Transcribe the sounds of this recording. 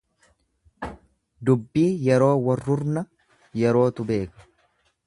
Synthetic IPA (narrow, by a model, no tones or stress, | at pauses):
d̪ʊbːiːjɛɾo̞ːwɐrːʊɾnɐ | jɛɾo̞ːt̪ʊbe̞ːkɐ̥